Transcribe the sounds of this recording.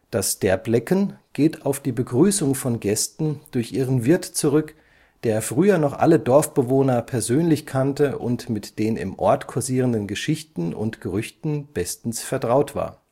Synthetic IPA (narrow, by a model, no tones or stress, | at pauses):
d̥asʃtɛɐplɛkənɡ̥eːtaʊfd̥iːbəɡʁyːsʊŋfɔnɡɛstn̩d̥ʊɐçʔiːʁənvɪɐtt͡suʁʏk | d̥eːɐfʁ̥yːɐnɔχʔa̰lədɔɐfb̥əvoːnɐpʰɛɐzøːnlɪçkʰantəʔʊ̰ntmɪtd̥eːnɪ̰mʔɔɐtkʰoziːʁ̞əndənɡəʃɪçtn̩ʊ̰ntɡ̥əʁʏçtn̩b̥ɛstn̩sfɛɐtʁ̥aʊtv̥a̰ːɐ